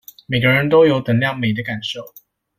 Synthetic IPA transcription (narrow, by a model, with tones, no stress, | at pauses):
me˨˩ɪɡə˦ɻə˧˦nt̪o˥ʊjo˨˥ʊt̪ə˨˩ŋljɑ˥˩ŋme˨ɪd̪ə˦ka˨˩nʂo˥˨ʊ